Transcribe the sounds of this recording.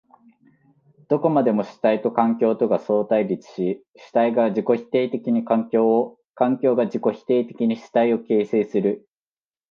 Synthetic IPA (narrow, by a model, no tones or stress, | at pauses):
d̪̥o̞ko̞mad̪e̞mo̞ɕi̥t̪ait̪o̞kãŋkʲo̞ːt̪o̞ɡaso̞ːt̪aiɾʲit͡sɨ̥ɕi | ɕi̥t̪aiɡaʑiko̞çi̥t̪e̞ːt̪e̞kʲiɲ̟ikãŋkʲoː | kãŋkʲo̞ːɡaʑiko̞çi̥t̪e̞ːt̪e̞̥kʲiɲ̟iɕi̥t̪aio̞ke̞ːse̞ːsɨɾɯ̟